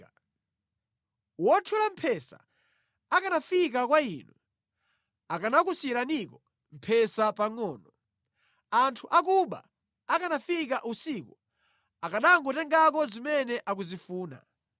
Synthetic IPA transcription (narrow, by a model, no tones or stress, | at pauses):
wɔtʰulam̩pʰɛsa̰ | akanafik̬akwaiːnu | akanakusiɾanikɔ | m̩pʰɛsapaŋɔːnɔ | antʰuʔakuɓa̰ | akanafikaʔusiku | akaɗaŋɡɔtɛŋɡakɔzimɛnɛʔakuzifuːna̰